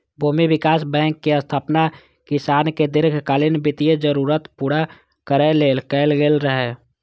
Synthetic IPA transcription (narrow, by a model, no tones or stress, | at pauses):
bʱuːmibɪkaːsbɛ̃ːŋkːeəst̪ʰaːpna | kɪsaːnked̪ɪɾɡʱkaːlɪnbɪt̪ijed͡ʒəɾuːɾət̪puːɽa | kəɾeleːlkɛːlɡeːlɾəɦɛ